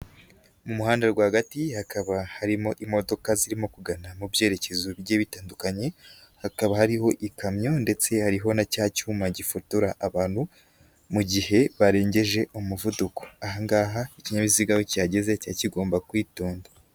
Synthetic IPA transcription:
mumuhaːndeɡwaːhaɡatihakaβahaɾimo̞ʔimo̞do̞kaziɾimo̞kuɡanamubje̞ːɾe̞ce̞zujeːβitaːndukaɲe̞ | hakaβahaɾiho̞ʔikamɲo̞nde̞t͡se̞haɾiɦo̞nacaːcuːmaɟifotuɾaʔaβaːn̥hu | muɟihe̞βaɾe̞ːɲɟe̞ʒe̞ʔomuvuduko̥aɦaŋɡaːɦaiciɲamiziɡawocaːɟe̞zecaciɡoːmbakwiːtoːnda

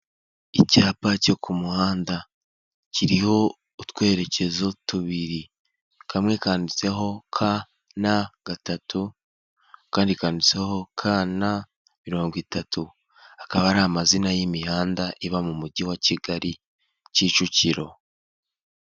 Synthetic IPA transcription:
icaːpaco̞kʰumuhaːnda | ciɾiho̞ | utwe̞ːɾe̞ce̞zotuβiɾi | kamŋe̞kaːndit͡se̞ɦo̞kʰa | naɡ̥atatʰu | kaːndikaːndit͡se̞ho̞kʰana | miɾo̞ːŋɡwitatu | akaβaːɾamazinajimihaːndaʔiβamumuɟiwaciɡaɾi | ciːt͡ʃuciɾo̞

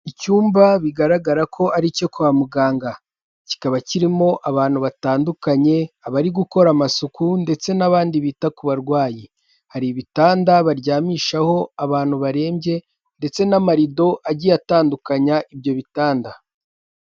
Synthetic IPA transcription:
icuːmbaβiɡaɾaɡaɾakʰo̞ʔaɾicokuβamuɡaːŋɡa | ci̥kaβaciɾimo̞ʔaβaːn̥huβataːndukaɲe̞aβaɾiɡuko̞ɾamasukunde̞t͡se̞naβaːndiβiːtakuβaɾɡwaːji | haɾiβitaːndaβaɾɟaːmiːʃaho̞aβaːn̥huβaɾe̞ːmbje̞ | nde̞t͡se̞namaɾido̞ʔaɟiataːndukaɲaʔibjo̞βitaːnda

